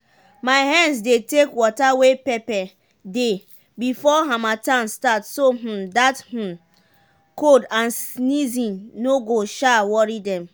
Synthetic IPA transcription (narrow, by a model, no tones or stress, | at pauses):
maɪɦãnds̬detekwɔtawepɛpɛ | de | bifɔɦamatãnstatsoɦ̩dath̩ | kodãnsnizĩnnoɡoʃawɔɹidɛ̃m